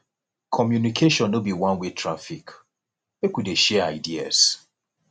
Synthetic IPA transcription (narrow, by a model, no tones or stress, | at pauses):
kʰɔmjunikʰeʃɔ̃nːobiwãnwetɹafik | wekwideʃɛaɪdia̰s